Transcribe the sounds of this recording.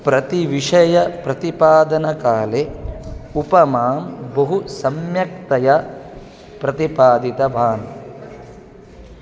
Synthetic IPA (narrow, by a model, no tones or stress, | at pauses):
pɾɐt̪iʋiʂɐjɐpɾɐt̪ipaːd̪ɐnɐkaːle | upɐmaːmbɐɦusɐmjɐk̚t̪ɐjɐ | pɾɐt̪ipaːd̪it̪ɐbʱaːn